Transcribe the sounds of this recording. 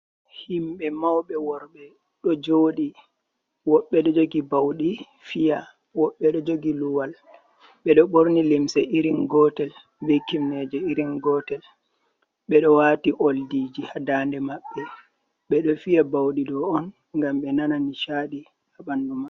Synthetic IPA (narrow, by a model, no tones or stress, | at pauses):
himɓɛmawɓɛwɔɾɓɛ | ɗɔd͡ʒoɗi | wɔɓːɛɗɔd͡ʒoɡibawɗi | fija | wɔɓːɛɗɔd͡ʒoɡiluwal | ɓɛɗɔɓoɾnilimsɛiɾinɡɔtɛl | bekːimnɛd͡ʒɛiɾinɡɔtɛl | ɓɛɗɔwaːtiʔoldiːd͡ʒihadaːndɛmaɓːɛ | ɓɛɗɔfijabawɗidɔɔn | ŋɡamɓɛnananiʃaːɗi | haɓanduma